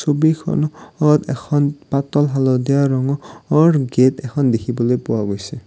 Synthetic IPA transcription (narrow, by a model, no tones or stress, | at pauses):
sobikʰɔ̰nɔtɛ̰kʰɔnpatɔlɦalɔdijaɹɔŋɔɔɹɡetɛkʰɔndekʰibɔlojpʊwaɡojsɛ